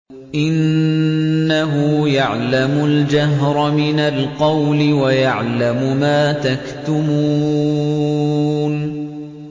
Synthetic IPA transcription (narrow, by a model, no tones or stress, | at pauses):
ʔɪnː | aɦʊjaʕlamʊld͡ʒaɦɾˤmɪnalqɑwlɪwajaʕlamʊmaːt̪akt̪ʊmuː | n